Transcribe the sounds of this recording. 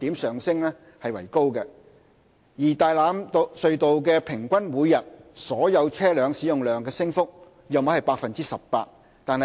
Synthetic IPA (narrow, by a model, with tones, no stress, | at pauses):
t̪iː˨˥msœː˨ŋsɪ˥ŋlɛː˥ | hɐ˨jwɐ̰˨˩jko˥wkɛ˧ | jiː˨˩t̪aː˨jlaː˨˥msɵ˨˧ɥt̪o˨wkɛː˧pʰɪ˨˩ŋkʷɐ˥nmuː˨˧jːɐ˨t̚sɔː˨˥jɐ˨˧wt͡sʰɛː˥lœː˨˧ŋsiː˨˥jʊ˨ŋlœː˨ŋkɛː˧sɪ˥ŋfʊ˥k̚ | jɐ˨wm˨˥hɐ˨jpaː˧k̚fɐ˨nt͡siː˥sɐ˨ppa̰ː˧t̚ | t̪aː˨nɐ˨